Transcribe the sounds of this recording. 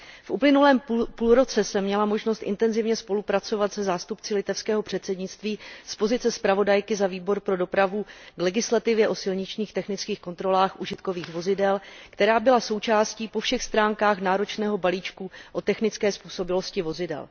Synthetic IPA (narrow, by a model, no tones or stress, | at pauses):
fʔuplɪnulɛːmpuːlɾo̞t͡sɛsɛmːɲɛlamo̞ʒnost̪ʔɪ̰nt̪ɛnzɪvɲɛspo̞lupɾat͡so̞vat̪sɛzaːst̪upt͡sɪlɪt̪ɛfskɛːɦo̞pr̥ɛt̪sɛdɲɪtt͡st̪viːspo̞zɪt͡sɛspɾavo̞dajkɪzaviːbo̞ɾpɾo̞do̞pɾavuɡlɛɡɪslat̪ɪvjɛʔo̞sɪlɲɪt͡ʃɲiːxt̪ɛxnɪt͡skiːxko̞nt̪ɾo̞laːxʔuʒɪt̪ko̞viːxvo̞zɪdɛlkt̪ɛɾaːbɪlaso̞wt͡ʃaːsciːpo̞fʃɛxst̪ɾaːŋkaːxnaːɾo̞t͡ʃnɛːɦo̞baliːt͡ʃkuʔo̞t̪ɛxnɪt͡skɛːspuːso̞bɪlo̞scɪvo̞zɪdɛ̰l